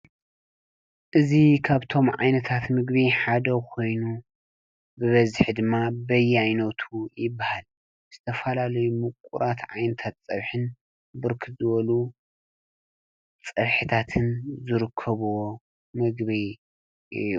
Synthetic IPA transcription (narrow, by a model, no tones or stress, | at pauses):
ʔɨzikʰaβt̪ʰo̞mʕa̰jnɐt̪ʰat̪mɨɡbiħad̪ɐkʰo̞jnu | bɨβɐzħd̪ɨmːabɐjajnot̪ʰujɪbːahal | z̥ɨt̪ʰɐfɐlalɐjumɨkʷʼṵɾat̪ʕa̰jnɐt̪ʰat̪t͡sʼɐβħɨn | bɨɾkʰɨzɨβɐlu | t͡sʼɐβħɨt̪ʰat̪ʰɨnzɨɾɨkʰːɐβ | mɨɡβi | ʔɨ̰ju